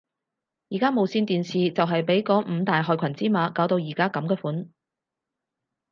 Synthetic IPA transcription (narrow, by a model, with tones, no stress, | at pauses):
jiː˨˩kaː˥mo˨wsiː˧nt̪iː˨nsiː˨t͡sɐ˨wɦɐ˨jpe˨˥jkɔː˨˥m̩ː˨˧t̪aː˨jɦɔː˨jkʷʰɐ˨˩nt͡siː˥maː˨˧kaː˨˥wt̪o˧wjiː˨˩kaː˥kɐ˨˥mkɛː˧fuː˨˥n